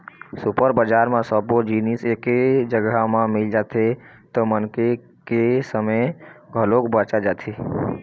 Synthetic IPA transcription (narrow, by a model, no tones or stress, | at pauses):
supəɾbəd͡ʒaɾmẽsəbod͡ʒiniseked͡ʒəɡamãmɪld͡ʒat̪ʰe | t̪ɔmənke | kesəməɡʱəlokbət͡ʃad͡ʒat̪ʰe